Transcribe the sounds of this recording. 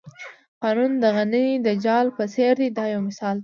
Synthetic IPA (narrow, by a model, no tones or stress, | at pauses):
qɑnund̪əɣanəid̪əd͡ʒɑlpəseɾd̪id̪ɑjawmɪsɑld̪